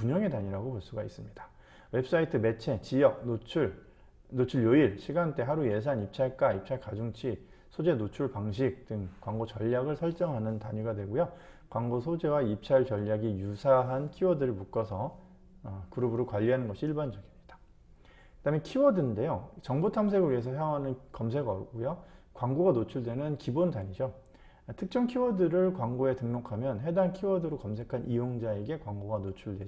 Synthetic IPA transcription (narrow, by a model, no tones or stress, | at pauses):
puɲʌŋedaɲiɾaɡopʌɭs͈uɡais͈ɯmɲid̥ḁ | we̞ps͈ʰaitʰɯme̞t͡ɕʰe̞t͡ɕijʌk̚not͡ɕʰuɭ | not͡ɕʰuɭjoiɭɕʰiɡant͈e̞ɦaɾuje̞s̬ʰanip̚t͡ɕʰaɭk͈aip̚t͡ɕʰaɭkad͡ʑuŋt͡ɕʰi | sʰod͡ʑe̞not͡ɕʰuɭpaŋɕ̬ʰik̚t͈ɯŋkwaŋɡot͡ɕʌʎːaɡɯɭsʰʌɭt͡ɕ͈ʌŋɦanɯntaɲuɡadwe̞ɡojo | kwaŋɡosʰod͡ʑe̞waip̚t͡ɕʰaɭt͡ɕʌʎːaɡijusʰaɦankʰiwʌdɯɾɯɭmuk͈ʌsʰʌ | kuɾʌbɯɾokwaʎːiɦanɯnɡʌɕʰiiɭband͡ʑʌɡimɲid̥ḁ | kɯd̥amekʰiwʌdɯnde̞jot͡ɕʌŋbutʰams̬ʰeɡɯɭɥiesʰʌsʰeʌŋɦanɯnkʌmsʰe̞ɡʌk͈ojokwaŋɡoɡanot͡ɕʰuɭdwe̞nɯnkibontaɲid͡ʑo | tʰɯk̚t͡ɕ͈ʌŋkʰiwʌdɯɾɯɭkwaŋɡoe̞tɯŋnokʰamjʌnɦe̞dankʰiwʌdɯɾokʌmsʰe̞kʰanʔijoŋd͡ʑae̞ɡe̞kwaŋɡoɡanot͡ɕʰuɭdwe̞